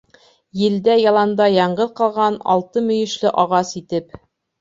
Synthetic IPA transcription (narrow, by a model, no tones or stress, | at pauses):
jɘ̆ld̪æjɑlˠɑnd̪ɑjɑɴɢɤðqɑlˠʁɑnɑ̰lˠt̪ɤmɵ̆jɘ̆ʃlɘʔɑʁɑsit̪ɘp